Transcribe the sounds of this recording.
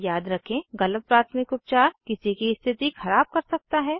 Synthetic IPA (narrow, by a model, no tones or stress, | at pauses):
jaːd̪ɾɐkʰẽɣɐlət̪̚pɾaːɾt̪ʰənɪkʊp̚t͡ʃaːɾkɪsikiɪst̪ʰɪt̪ixʰɐɾaːb̚kɐɾsɐk̚t̪aɦɛː